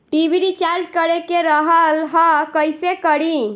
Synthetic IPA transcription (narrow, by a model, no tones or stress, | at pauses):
ʈibʱiɾit͡ʃaɾd͡ʒkəɾekeɾəɦəlɦə̃kəjsekəɾi